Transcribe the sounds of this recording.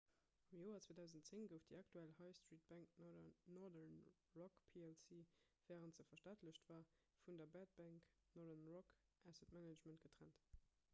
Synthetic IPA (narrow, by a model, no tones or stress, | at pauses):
ɑmjoːɐt͡sweːdaʊzənt̚t͡seŋɡəʊft̚d̥iɑk̚tʰuælhɑɪstʁiːt̚b̥æŋkːɔdəʁn | ʁɔkpʰiɛlsiː | v̥ɛːʁəntz̥əfɐʃtaːtʰləɕtvaːɐ | fundɐbæːt̚bæŋk | nɔdɛnʁɔkʔæsətmænæd͡ʒmənt̚ɡ̥ətʁænt